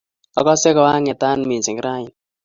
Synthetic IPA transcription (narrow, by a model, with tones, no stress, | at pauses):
ɔ˦kɔ˦sɛ˦kɔ˨wa˦ŋɛ˨ta˦nmi˨nsi˨ŋ˦ɾa˦i˨n